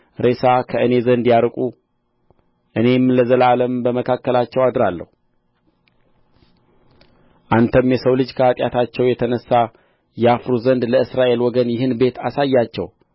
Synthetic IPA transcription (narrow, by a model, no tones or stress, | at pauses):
ɾe̞sakʰəʔɨne̞zənd̪jaɾkʼu | ʔɨne̞mləzəlaləmbəməkʰakːəlat͡ʃːɛwad̪ɾalːə̰hu | ʔant̪ʰəmjɛsəwlɨd͡ʒkʰəat̪ʼja̰t̪ʰat͡ʃːɛwjɛt̪ʰənəsːa | jɛafɾuzənd̪ləɨsɾaʔe̞lwɔɡənjɪhɨnbe̞t̪ʰasajːat͡ʃːɛ̰w